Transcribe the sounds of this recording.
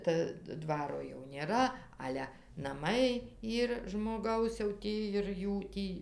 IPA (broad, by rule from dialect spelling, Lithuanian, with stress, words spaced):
ˈtɐ ˈdʋɑːroː jɛʊ ˈnʲeːrɐ ˈɑːlʲɛ nɐˈmɐɪ ˈiːr ʒmoːˈɡɐʊs jɛʊ ˈtʲiː ɪr ˈjuː ˈtʲiː